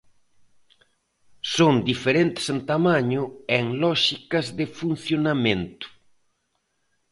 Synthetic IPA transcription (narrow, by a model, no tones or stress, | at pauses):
sond̪ifeɾent̪ɪ̥sent̪amaɲʊeŋlɔʃikɐzðɪfun̟θjonamẽnt̪ʊ̥